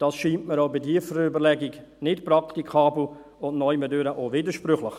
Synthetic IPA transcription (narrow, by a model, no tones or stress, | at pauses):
d̥ɑːsʃiːntməɾoʊbɪdiːəfəɾəʏbəɾlɛɡɪɡ | nɪtprɑktikʰɑːbl̩ | ʊntnɔɪmədøɾəʔoːvɪdəʃpɾʏχləɪχ